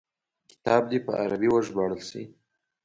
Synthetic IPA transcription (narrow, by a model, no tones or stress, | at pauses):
kɪ̥t̪ɑb̚d̪ipə̰a̰ɾabiwəʒbɑɽəlsḭ